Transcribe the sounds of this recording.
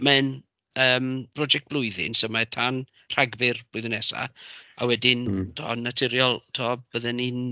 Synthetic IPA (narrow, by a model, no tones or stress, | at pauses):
mɛn | əːmb̥rɔd͡ʒɛk̚t̚b̥lˠʊɨðɪ̰nsəmatʰan | r̥aɡvɪrb̥lʊjðənɛsa̰a̰wɛdɪntʰɔ̰natʰɪɾjɔlˠtʰɔːb̚b̥əðɛnin